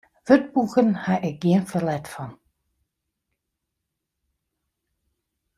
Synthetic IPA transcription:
vøt̚buxənhaʔɪk̚ɡiənfəlɛtfɔn

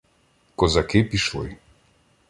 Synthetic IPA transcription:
kɔzakepiʃlˠɔ̰j

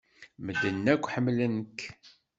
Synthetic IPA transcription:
məd̪ənːækʷːħəmːlənk

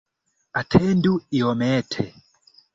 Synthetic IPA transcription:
atʰɛnduiɔmɛtʰɛ

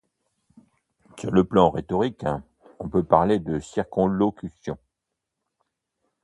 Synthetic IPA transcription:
syʁləplɑ̃ʁet̪ɔʁik | ɔ̃pøpaʁled̪əsiʁkɔ̃lɔkʲysjɔ̃

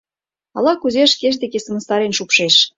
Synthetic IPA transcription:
ɑ̰lɑkuzeʃkeʃ̬d̪ekesə̆mə̆st̪ɑɾenʃupʃeʃ

